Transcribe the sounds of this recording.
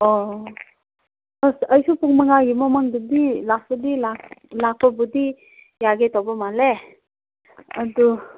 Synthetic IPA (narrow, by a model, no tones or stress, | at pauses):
ɔ | əsəjsupuŋməŋajimɔmaŋd̪ud̪ilasud̪ilaklakʰɔbud̪i | jaɡet̪ɔbɔmale | əd̪u